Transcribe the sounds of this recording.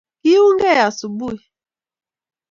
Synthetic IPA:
ki˦u˦ŋ˦ɡɛ˦˨ja˨su˨bu˦i˨

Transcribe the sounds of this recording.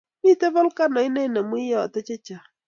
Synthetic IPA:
ni˦tɛ˦βɔ˦lka˦nɔ˨˦i˦nɛ˦na˨mu˦jɔ˦˨tɛ˦t͡ʃɛ˦t͡ʃa˨

